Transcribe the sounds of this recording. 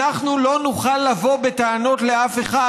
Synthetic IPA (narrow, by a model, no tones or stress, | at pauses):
aχnulo̞nuχalːavo̞be̞t̪aano̞t̪le̞afe̞χa